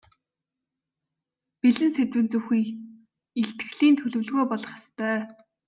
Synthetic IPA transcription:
piɮɘ̆nset̪wɘ̆nt͡suxiːŋ | iɬt̪ɡɘ̆ɮiːnt̪ʰɵɮɵ̆wɮɣoːpɔɮɞ̆χjɔ̥st̪ʰœː

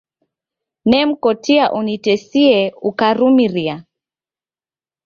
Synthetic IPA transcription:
nɛm̩kɔtiaʔunitɛsiɛukaɾumiɾia

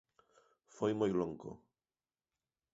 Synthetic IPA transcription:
fɔjmɔjlɔŋkɔ̰

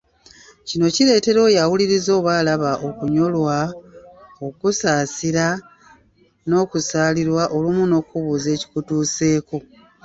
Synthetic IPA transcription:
cino̞ciɾe̞ːte̞ɾo̞ːjawuliɾizo̞ːβwaːlaβaʔo̞kuɲo̞lwa | o̞kusaːsiɾa | no̞ːkusaːliɾwaʔo̞lumuno̞ːkuβuze̞ːci̥kutuːse̞ːko̞

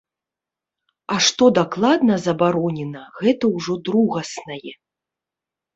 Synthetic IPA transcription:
ɐʂt̪ɔd̪aklˠad̪nɐzɐbaɾɔnʲɛnɐɣɛt̪ɐwʐɔd̪ɾuɣɐsnɐjɛ

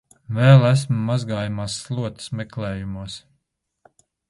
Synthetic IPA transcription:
vɛːlˠæs̬mːazɡaːjumaːsːlˠuɔt̪smɛklɛːjumuɔs

